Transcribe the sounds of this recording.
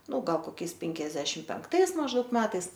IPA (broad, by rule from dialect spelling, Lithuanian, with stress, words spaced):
ˈnʊ ˈɡɐlˠ koːˈkʲɛɪs ˈpʲɛŋʲkʲɛzʲdʲɛʃʲɪm pʲɛŋkˈtɐɪs mɐʒˈdɐʊk ˈmʲæːtɐɪs